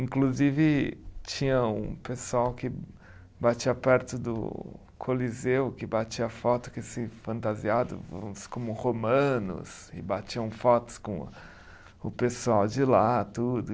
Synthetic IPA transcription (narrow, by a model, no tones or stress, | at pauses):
ĩkluzivɪt͡ʃĩɲɐũpesuawkɪ | bat͡ʃiɐpɛɾt̪ʊd̪ʊ̰ | kʰolizewkɪbat͡ʃiɐfɔt̪ʊ̥kɪsɪfɐ̃nt̪aziad̪ʊ̰v̰skõmʊhomɐ̃nʊ̰sɪ̰bat͡ʃiɐ̃w̃fɔt̪ʊ̥skõ | ʊpesuawd͡ʒɪlat̪ud̪ʊ